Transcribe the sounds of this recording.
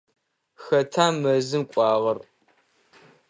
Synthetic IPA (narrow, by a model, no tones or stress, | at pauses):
xɐtʰaːmɐzɨmkʷʼɑːʁɐr